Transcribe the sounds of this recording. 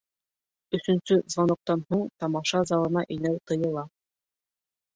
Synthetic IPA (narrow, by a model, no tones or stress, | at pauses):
ɵ̆sɵ̆nsɵzvɑnŏq̚t̪ɑnhuɴt̪ɑmɑʃɑzɑlˠɤ̆nɑʔɘ̆jnæwt̪ɤ̆jɤ̆lˠɑ